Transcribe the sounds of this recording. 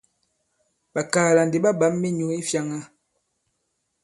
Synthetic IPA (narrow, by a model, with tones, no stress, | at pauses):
ɓa˨kaː˨la˨nde˨ɓa˦ɓa˨˦mːi˦ɲo˨i˦fja˨ŋa˦